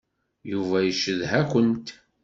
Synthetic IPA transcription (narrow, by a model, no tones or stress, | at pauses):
juvæjəʃəðɦækʷənt̪